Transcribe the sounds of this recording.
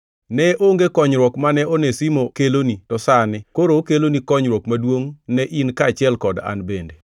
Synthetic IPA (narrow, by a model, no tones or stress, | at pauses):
nɛʔoŋɡekɔɲɾwɔkmanɛonesimokelonitɔsanɪkoɾokelonikɔɲɾwɔkmadwoŋnɛʔinkat͡ʃɪɛlkɔda̰nbende